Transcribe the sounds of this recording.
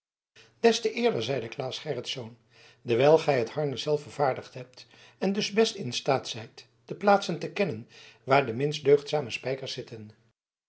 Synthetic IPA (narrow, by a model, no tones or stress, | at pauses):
d̥ɛstəʔɪːɹdəɹzɛjdəklaːsχɛrətsown | dəɹʋɛjlˠχɛjɦəthɑɹnəz̥ɛlˠfəɹv̥aːɹdəχtɦɛp̚t | ɛndɵzbɛstɪnstaːtsɛjt | d̥əplaːtsəntəkɛnən | ʋaːɹdəmɪnsdøɥχtsaːməspɛjkəɹsɪtən